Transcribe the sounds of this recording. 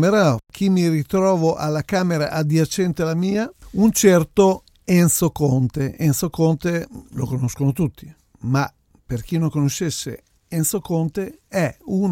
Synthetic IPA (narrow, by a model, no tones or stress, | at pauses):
meɾakʰimːirit̪ɾɔːvoʔalːakaːmeɾa̰ʔad̪jat͡ʃɛnt̪ealamiːaunt͡ʃɛrt̪o | ɛnsokont̪eensokont̪elokonoskonot̪ut̪ʰːi | ma | perk̟inːõŋkonoʃːesːḛ | ensokont̪eɛun